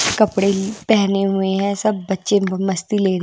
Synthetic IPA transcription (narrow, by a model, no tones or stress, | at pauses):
kəpɽepɛːneɦʊeɦɛ̃ːsəb̚ːətːʃeməst̪iːleːɾ